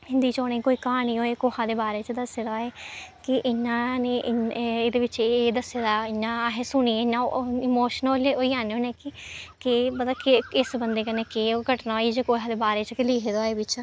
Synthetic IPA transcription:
hɪ̃nd̪iːt͡ʃoːneːkoːiːkaːniːoːeːkoːɦãːd̪eːbaːɾeːt͡ʃd̪əsːeːd̪oaːeːkɪʔɪnːaːneːʔɪeːd̪eːʋɪt͡ʃeːd̪əseːd̪aːɪnːãːɦeːsʊniːɪnːãːɪmoːʃnoleoːiːaːneoːnẽːkɪkeːbəd̪akɪɪsbənd̪eːkəneːkeːkəʈnaːoːid͡ʒekoːɦãːd̪eːbaːɾeːt͡ʃkɪliːɦeːd̪aːeːbɪt͡ʃ

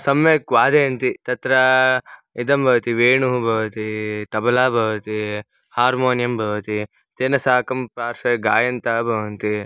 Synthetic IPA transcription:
sɐmjekʋaːd̪eɐnt̪it̪ɐt̪ɾɐ | id̪ɐmbʱɐʋɐt̪iʋeːɳuɦubʱɐʋɐt̪it̪ɐbɐlaːbʱɐʋɐt̪i | haːɾmoːnjɐmbʱɐʋɐt̪i | t̪enɐsaːkɐmpɾaːɾʂɐɡaːjɐnt̪ɐɐbʱɐʋɐnt̪i

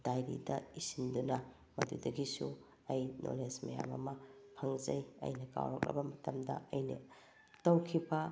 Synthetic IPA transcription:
d̥ajɾḭdɐisindunɐ | mɐdudɐɡisu | ɐjnʔo̰lesmɐja̰mɐ̰mɐpʰɐŋzɐjɐ̰jnɐka̰wɾo̰k̚lɐ̰bɐmɐtɐmdɐ̰ɐjnɐ̰ | tɐwkʰibɐ

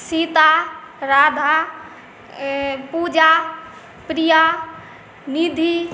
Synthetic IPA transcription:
sit̪a | ɾaːd̪ʱa | pud͡ʒa | pɾija | nid̪ʱi

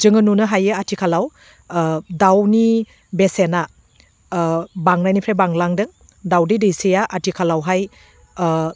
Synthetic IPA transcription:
d͡ʒɯŋɯnunɯɦajɯatʰikʰalaw | dawni | besena | baŋnajnipʰɾebaŋlaŋdɯŋ | dawdidijsijaʔatʰikʰalawɦaj

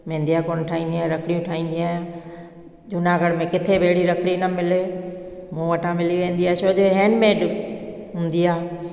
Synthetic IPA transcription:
mẽːnd̪ijaːkoːnʈʰaːĩːnd̪iaːɦɾɐkʰɽijũʈʰaːĩːn̆d̪iaːj̃ | d͡ʑʊnãɡəɽmẽkɪt̪ʰebʱeːɽiɾɐkʰɽinɐmɪlemũːʋɐʈʰãmɪliʋẽːnd̪iaːt͡ɕoːd͡ʑeɦeːnmẽɗɦũːnd̪iaː

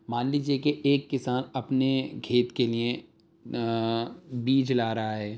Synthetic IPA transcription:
maːnliːd͡ʒiekeʔeːkːɪsaːnɐpnekʰeːt̪kelie | biːt͡ʃlaːɾɐɦaɦɛː

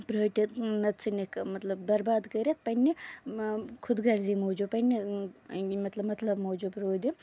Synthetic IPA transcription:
pɾoːʈʲit̪nɐt̪t͡sʰɨnekmɐt̪lɐbd̪ɐɾbaːd̪kɐɾet̪̚pɐnʲːi | kʰud̪ɡɐɾd̪imod͡ʒupɐnʲːi | mɐt̪lɐbmɐt̪lɐbmɐwd͡ʒupɾoːd̪i

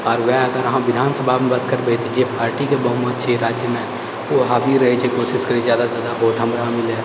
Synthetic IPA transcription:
ɔːɾʋɛːɐɡəɾɐɦãːʋɪd̪ʱaːnsəbʱaːmẽbət̪kəɾbet̪od͡ʒeːpaːɾʈiːkebəɦʊməd̪̚t͡ʃʰeɾaːd͡ʒjəmẽ | oːɦaːʋiɾɐɦet͡ʃʰekoːsɪskəɾezjaːd̪azjaːd̪abʱoːʈʰə̃mbɾɦaːmɪlɛː

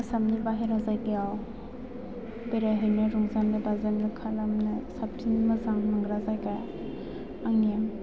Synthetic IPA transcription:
samnibaɦeɾazajɡiaw | beɾaɦɯjnɯɾuŋzanːɯbazanɯkʰalamnɯsap̚tʰinmazaŋnaŋɡɾazajkaj | aŋem

